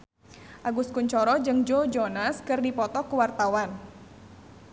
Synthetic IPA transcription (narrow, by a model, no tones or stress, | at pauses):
ʔaɡus̚kuɲt͡ʃɔɾɔd͡ʒɨŋd͡ʒod͡ʒɔnaskɨrdipɔt̪ɔkuwart̪awan